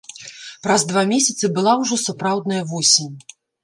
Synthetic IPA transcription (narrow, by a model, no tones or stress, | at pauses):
pɾɐzd̪vamʲesʲɐt̪sɨbɨlˠawʐɔsapɾawd̪nɐjɐvɔsʲinʲ